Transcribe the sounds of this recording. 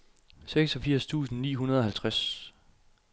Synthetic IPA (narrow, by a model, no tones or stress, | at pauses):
seɡ̥sɒ̽fiɐ̰st͡sʰṵːsn̩niːɦunɐðˠɒ̽hælt͡sʰʁas